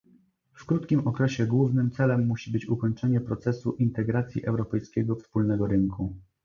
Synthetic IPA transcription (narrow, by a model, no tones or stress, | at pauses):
fkɾut̪kʲimɔkɾɛɕɛɡwuvnɘmt̪sɛlɛmːuɕibɘt͡ɕukɔɲt͡ʂɛɲɛpɾɔt̪sɛsuʔint̪ɛɡɾat̪sʲjḭʔɛwɾɔpɛjskʲeɡɔfspulnɛɡɔɾɘŋkʰu